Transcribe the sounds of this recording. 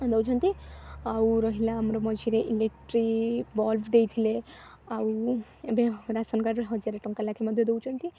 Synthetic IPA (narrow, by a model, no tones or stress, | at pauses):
d̪ewt͡ʃʰɔnt̪iawɾɔɦilaːmɾɔmɔd͡ʒʱiɾeʔilekʈɾibɔlbd̪ejt̪ʰile | aw | ebeɾasɔnkaɾɦɔd͡ʒaɾeʈɔŋkalakʰemɔd̪ʱjɔd̪ewt͡ʃʰɔnt̪i